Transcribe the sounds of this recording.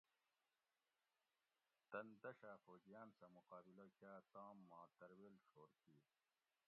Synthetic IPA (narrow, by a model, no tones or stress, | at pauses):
t̪ɐnd̪ɐɕafoːɡijaːnsɐmuqaːbilokaːt̪ãːmːɑ̃ːt̪ɐɾwelʂoːɾkiː